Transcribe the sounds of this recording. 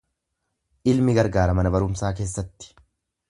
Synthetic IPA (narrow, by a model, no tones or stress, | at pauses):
ʔɪlmɪɡɐɾɡaːɾɐmɐnɐbɐɾʊmsaːk̬e̞ːsːɐt̪ːɪ̥